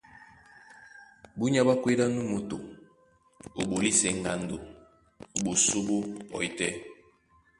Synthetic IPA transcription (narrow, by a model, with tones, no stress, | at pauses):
bu˦ɲ˦a˦ba˦kwe˦da˦nu˦mo˨to̰˨ | o˨bo˨li˦sɛ˨ŋɡa˨ndo˨ | o˨ɓo˨so˦bo˦ɔ̰˨i˨tɛ˦